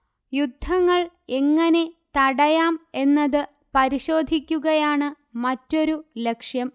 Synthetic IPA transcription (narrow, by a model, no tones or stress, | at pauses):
jud̪ʱːɐŋːɐɭ | eŋːɐne̞t̪ɐɽɐjaːme̞nːɐðɨ | pɐɾiɕo̞ːd̪ʱikʲːuɣɐjaːɳɨ | mɐtːo̞ɾule̞kʂjɐm